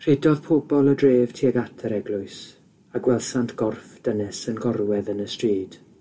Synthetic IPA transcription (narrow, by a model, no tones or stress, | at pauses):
r̥edɔðpʰoːbɔlˠədreːv̥tʰiːəɡatʰəɾɛɡlˠʊɨs | aɡwɛlˠsantʰɡ̥ɔrfd̥ənɛsənɡɔrwɛðənəstriːd̥